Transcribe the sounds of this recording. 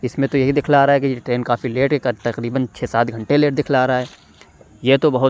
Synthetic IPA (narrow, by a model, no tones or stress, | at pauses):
ɪsmẽt̪ojeɦid̪ɪkʰlaaːɾaɦɛkijeʈɾeːnkaːfileːʈkekt̪ɐqɾiːbənt͡ʃʰeːsaːt̪ɡʱɐ̃ɳʈeleːʈd̪ɪkʰlaːɾaaɦɛː | jet̪obɐɦʊ